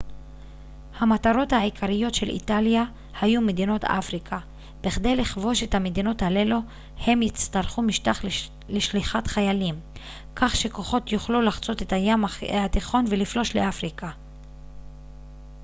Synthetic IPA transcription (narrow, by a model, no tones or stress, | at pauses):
hamataʁo̞thaʕikʰaʁijo̞tʃe̞lʔḭtalja | hajumed̪ino̞tʰa̰fʁikʰa | b̥iχd̪e̞jliχvo̞ʃe̞thame̞d̪ino̞thale̞lo | he̞mjit͡st̪alχumiʃtaχ | leʃliχatχajalim | kaχʃe̞ko̞χo̞tjuχlulaχt͡so̞te̞thajamaat̪iχo̞nveliflo̞ʃleafʁika